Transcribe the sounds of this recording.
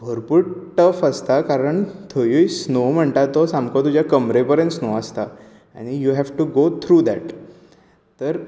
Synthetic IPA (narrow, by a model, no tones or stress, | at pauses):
bʱəɾpuɽʈəfəst̪akaɾəɳt̪ʰojujsnom̤əɳt̪at̪osãmkʰɔt̪ud͡ʑjakəmɾepəɾẽnsnoəst̪a | a̰ñijuɦæʋʈuɡot̪ʰɾuːd̪ɛʈ | t̪əɾ